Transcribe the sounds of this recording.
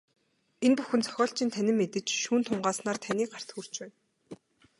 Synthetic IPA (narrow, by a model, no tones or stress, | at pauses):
enpuxɘ̆nt͡sʰœ̥xʲɔːɬt͡ɕɪ̆nt̪ʰænʲɪ̆mːet̪ɘ̆t͡ɕʃuːnt̪ʰʊɴɢaːsnaːrt̪ʰænʲiːkɢar̥t̪xur̥t͡ɕpæːn